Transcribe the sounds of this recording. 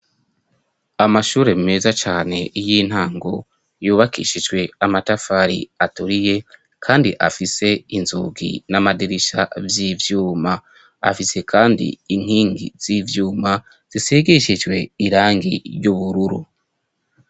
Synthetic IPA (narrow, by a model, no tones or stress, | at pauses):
amaʃuːɾe̞mime̞ːzat͡ʃaːne̞ijiːn̥haːŋɡo̞̰ | juːβakḭʃid͡ʒɡwe̞amatafaɾḭatuɾije̞ | kʰaːndiʔa̰fise̞inzṵɡḭnamadiɾiʃa̰vjivjuːma | a̰fise̞kʰaːndḭːŋ̥hiːŋɡḭz̥ivjuːma | z̥iseɡiʃid͡ʒɡwe̞iɾaːŋɡḭɾjuβuɾuɾṵ